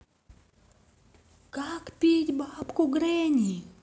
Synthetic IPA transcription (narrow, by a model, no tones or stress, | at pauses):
kakpʲit̪ʲbapkuɡɾɛnʲi